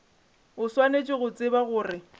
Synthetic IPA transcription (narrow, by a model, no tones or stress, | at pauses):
ʊswanet͡ʃʼɪɣʊt͡sʼɪbaɣʊːrɪ